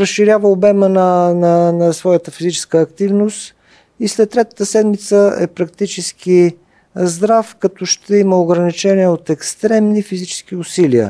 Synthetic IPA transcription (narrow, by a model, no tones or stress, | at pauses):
ɾəsːiɾjavəobɛmənənɐnɐsvɔjət̪əfizit͡ʃɛ̥skəːkt̪ivnost̪ | islɛt̪ːɾɛt̪ə̥t̪əsɛd̪mit̪səɛ̰pɾɐk̚t̪it͡ʃɛski | zd̪ɾafkɐt̪ɔʃt̪ɛiməoɡɾɐnit͡ʃɛniɛot̪ɛkst̪ɾɛmnifizit͡ʃɛ̥skiʊsiliə̰